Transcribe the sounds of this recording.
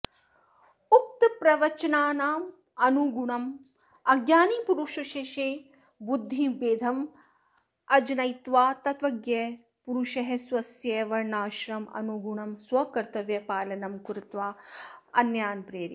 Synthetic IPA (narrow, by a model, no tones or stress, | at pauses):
uk̚t̪pɾɐʋɐt͡ʃɐnaːnaːm | ɐnuɡuɳɐm | ɐɡjaːnipuɾuʃuʃeʃeː | bud̪ʱːibeːd̪ʱɐm | ɐd͡ʒɐnɐjt̪ʋaːt̪ɐt̪ʋɐɡjeː | puɾuʃɐɦesʋɐsjeːʋɐɾɳaːʃɾɐmɐ̰nuɡuɳɐmswɐkɐɾt̪ɐʋjɐpaːlɐnɐmkuɾut̪ʋaːɐnjaːnpɾeːɾḭ